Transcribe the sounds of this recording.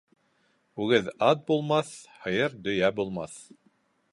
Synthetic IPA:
ʉɡɘðɑt̪̚bulˠmɑθhɤ̆jɤɾd̪ɵ̆jæbulˠmɑθ

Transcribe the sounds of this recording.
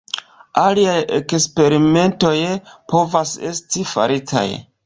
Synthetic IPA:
aliajekspe̞ɾime̞nto̞jpʰo̞vase̞stifa̰ɾitʰa̰j

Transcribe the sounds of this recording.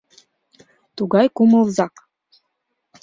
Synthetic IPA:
t̪uɣɑjkumɤ̆lˠzɑk

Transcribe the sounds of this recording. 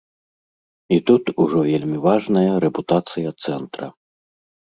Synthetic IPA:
it̪ut̪uʐɔvʲelʲmʲivaʐnɐjɐɾɛput̪at̪sɨjɐt̪sɛnt̪ɾɐ̰

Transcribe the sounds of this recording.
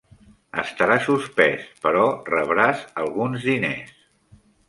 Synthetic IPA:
əst̪əɾasuspɛspəɾɔrəβɾasəlˠɣunzðinḛs

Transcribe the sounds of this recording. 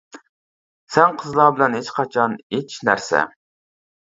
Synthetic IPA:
sɛŋqʰəzlˠɑbɪlɛnɦet͡ʃqʰɑt͡ʃʰɑnet͡ʃʰnæ̰ɾsɛ̰

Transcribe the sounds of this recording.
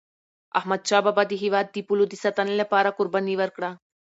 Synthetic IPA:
ɐ̰ɦmɐd̪̚t͡ʃaːbabad̪iɦiʋaːd̪̚ːipulud̪isɐt̪ɐnlepaːɾakʊɾbɐniʋɐɾkɽaː

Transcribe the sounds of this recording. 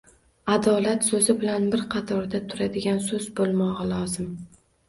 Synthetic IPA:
ad̪ɒlat̪sɵzɪbɪlanbɪɾqʰɑt̪ʰɒɾd̪at̪ʰʊɾad̪ɪɡʲansɵzbolˠmɒʁɑlˠɒzɪm

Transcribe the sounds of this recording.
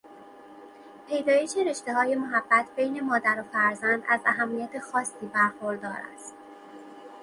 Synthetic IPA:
pʰe̞jd̪ɒːje̞ʃeɾe̞ʃt̪e̞ɦɒːje̞moɦæbːæt̪ʰbe̞jne̞mɒːd̪æɾofæɾzænd̪æ̰zæɦæmːijæt̪ʰe̞xɒːsːiːbæɾxoɾd̪ɒːɾæ̰st̪

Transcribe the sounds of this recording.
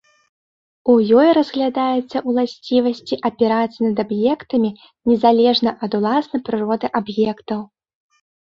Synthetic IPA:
ujɔjɾɐzɣlʲad̪ajɛt̪sːɐʔwlˠasʲt͡sʲivɐsʲt͡sʲiʔɐpʲɛɾat̪sɨnɐd̪abjɛkt̪ɐmʲi | nʲɛzalʲɛʐnɐʔɐd̪ulˠasnɐjpɾɨɾɔd̪ɨʔabjɛkt̪ɐw

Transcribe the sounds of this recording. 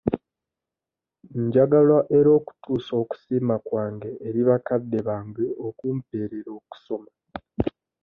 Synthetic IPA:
ɲɟaɡalwaʔe̞ɾo̞ːku̥tʰuːso̞ːku̥siːmakwaːŋɡe̞ʔːɾiβakadːe̞βaːŋɡeokuːmpe̞ːɾeɾo̞ːku̥so̞ma

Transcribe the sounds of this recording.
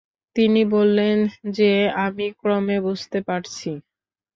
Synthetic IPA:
t̪inibolːend͡ʑeamikɾɔmebud͡ʑt̪epaɾt͡ɕʰi

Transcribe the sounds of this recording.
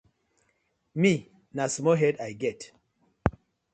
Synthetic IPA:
mi | nasmɔɦɛdajɡɛt

